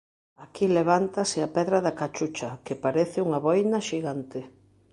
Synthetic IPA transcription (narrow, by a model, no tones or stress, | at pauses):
akileβant̪asɪapɛðɾaðakat͡ʃut͡ʃɐkepaɾeθɪuŋaβɔjnɐʃiɣant̪ɪ